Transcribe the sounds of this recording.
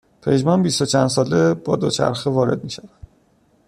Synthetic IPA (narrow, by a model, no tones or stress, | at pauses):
pʰe̞d͡ʒmɒnbist̪o̞t͡ʃʰænd̪s̬ɒːleb̥ɒːd̪ot͡ʃʰæ̰ɾxevɒːɾe̞̰d̪̚miːʃævæd̪̥